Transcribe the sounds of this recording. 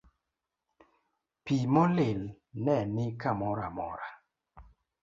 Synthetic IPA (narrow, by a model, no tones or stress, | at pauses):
pimɔlɪl | nɛnɪkamɔɾamɔ̰ɾa